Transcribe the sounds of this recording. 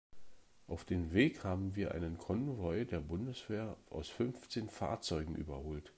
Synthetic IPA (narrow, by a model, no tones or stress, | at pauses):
ʔaʊfd̥eːnveːkhaːbm̩viːɐʔa̰ɪnənkʰɔnvɔʏdeːɐbʊndəsv̥eːɐʔa̰ʊsfʏnft͡seːnfa̰ːɐt͡sɔʏɡŋ̩ʔy̰ːbɐhoːlt